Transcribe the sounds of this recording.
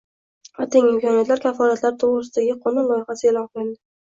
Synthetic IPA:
ɒt̪eŋɪmkʰɒnijat̪laɾkʲʰafɒlat̪laɾt̪ʰoʁɾɪsɪd̪aɡʲɪqʰonalˠɒjɪχasɪelɒŋqlɪld̪ɪ

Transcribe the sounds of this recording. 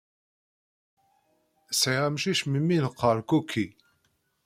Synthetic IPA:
sʕiʁæmʃiʃmimːinəqːəɾkukʰːi

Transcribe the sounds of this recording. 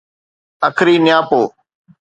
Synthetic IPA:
əkʰɾiːnɪjãːpoː

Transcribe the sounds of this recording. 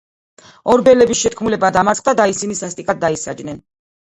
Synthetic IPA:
ɔɾbɛlɛbisʃɛt̪kʰmulɛbad̪amaɾt̪ʰʼχʼd̪ad̪aisinisast̪ʼikʼad̪̚ːaisad͡ʒnɛn

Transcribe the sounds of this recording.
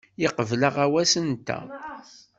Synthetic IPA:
jiqəvləʁæwæsənt̪æ̰

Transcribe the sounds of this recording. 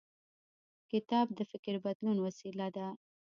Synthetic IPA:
kɪt̪ɑb̚d̪əfɪkɾbad̪lunwasilad̪a

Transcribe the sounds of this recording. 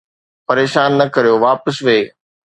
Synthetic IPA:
pɐɾeːʃaːnːɐkɐɾijoʋaːpəsʋeː

